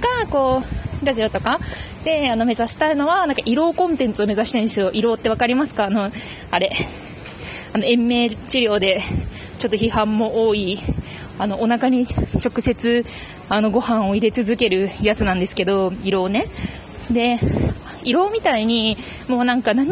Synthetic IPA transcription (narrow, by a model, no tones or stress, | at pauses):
ɡako̞ːɾaʑio̞t̪o̞ka | d̪̥e̞ano̞me̞zaɕi̥t̪aino̞βanãŋkaʔiɾo̞ːkõ̞nt̪ẽ̞nt͡sɨo̞me̞zaɕi̥t̪ãnd̪esɨjo̞ʔiɾo̞ːt̪ːe̞βakaɾʲimasɨ̥kaːno̞ | aɾe̞ | ano̞ẽ̞mːe̞ːt͡ɕiɾʲo̞ːd̪e̞ | t͡ɕo̞t̪ːo̞çiɦãmːo̞ʔoːi | ano̞ʔːnakaɲ̟it͡ɕo̞kɯ̟se̞t͡sɨ | ano̞ɡo̞hãɰ̃o̞iɾe̞t͡sɨzɨke̞ɾɯ̟jat͡sɨnãnd̪e̞sɨ̥ke̞d̪o̞iɾo̞ːne̞ | d̪e̞ | iɾo̞ːmʲit̪aiɲ̟i | mo̞ːnãŋkanãɲ̟